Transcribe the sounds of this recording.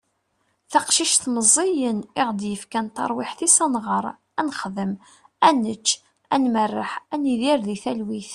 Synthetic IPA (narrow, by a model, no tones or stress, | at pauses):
θɑqʃiʃθməzˤijənɪʁd̪jəfkænt̪ɑ̰ɾˤwɪħθisɑnʁəɾˤ | ænχðəm | ænət͡ʃː | ænmərːəħæniðiɾðiθælwiθ